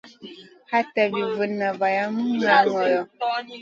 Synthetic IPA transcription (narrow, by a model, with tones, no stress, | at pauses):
ha˦ta˨bi˨və˨nːa˨va˨ja˦m̩˦ŋa˨ŋɔ˨jɔ˨